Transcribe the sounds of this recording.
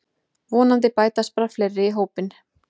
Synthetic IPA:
vɔːnant̪̬ɪpaːjt̪aspɾaflɛɾːɪiɦoːwpɪn

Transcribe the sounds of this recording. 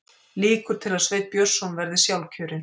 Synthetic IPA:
liːkʏɾ̥t̪ʰɪlaðsveːjt̪̚pjœɾ̥sːɔnvɛɾðɪsjawlcʰœːɾɪn

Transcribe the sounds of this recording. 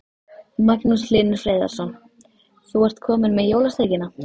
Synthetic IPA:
maknuslɪːnʏ̥fɾeːjða̰ɾ̥sɔn | θuar̥t̪kʰɔːmɪnmɛðjoːwlast̪eːjcɪna

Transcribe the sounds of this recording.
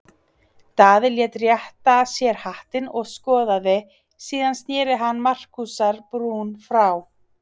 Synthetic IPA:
t̪aːðɪljɛːt̪rjɛht̪asjɛɾ̥haht̪ɪnɔɣskɔːðaðɪ | siːðanst̪njɛːɾɪɦanːmar̥kusaɾpɾuːnfɾaw

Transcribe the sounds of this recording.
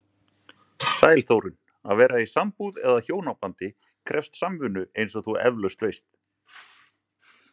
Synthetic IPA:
saːjlθowɾɪn | aðvɛːɾaisampuðɛðaçoːwnapant̪ɪ | kʰɾʔɛfst̪samvʏnʏʔejnsɔθuɛ̰vlœst̪vejst̪

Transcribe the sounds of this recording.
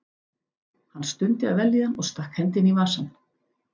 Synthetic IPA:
hanːst̪ʏnt̪ɪa̰ðvɛljɪanɔɣst̪ahkhɛnt̪ɪnivaːsanː

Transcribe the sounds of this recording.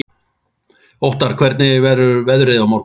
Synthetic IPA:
owht̪aɾ̥kʰvɛɾt̪nɪvɛɾʏɾvɛðɾɪðawmawɾ

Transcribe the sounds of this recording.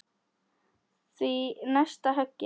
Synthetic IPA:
sinaʃt̪aɦak

